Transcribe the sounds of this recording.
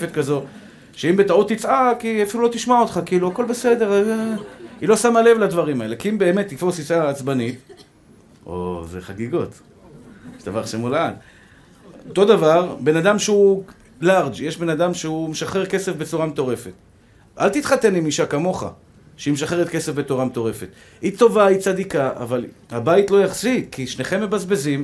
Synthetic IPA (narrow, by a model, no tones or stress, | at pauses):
fet̪kazo̞ | ʃeimbe̞t̪aut̪ːit͡sʔakiafilulo̞t̪iʃmaot̪χakiːluako̞lbe̞se̞de̞ʁ | ilo̞samale̞vlad̪vaʁimaelekiimbe̞ːmet̪ːifosit͡saːt͡sbanit̪ | o̰zeχaɡiɡot̪ | eʃd̪avaʁʃemolad | ot̪o̞d̪avaʁbe̞nad̪amʃeu | laʁd͡ʒjeʃbe̞nad̪amʃeumeʃaχeʁke̞se̞fbet͡suʁamet̪o̞ʁe̞fet̪ | ʔa̰lt̪it̪χat̪e̞nimiʃakamo̞χa̰ | ʃeimeʃaχeʁetke̞sefbe̞t̪oʁamet̪o̞ʁe̞fe̞t̪ | it̪o̞vait͡sad̪ikaʔa̰val | habajt̪lo̞jaχzitkʰiʃne̞χe̞mːe̞bazbe̞zim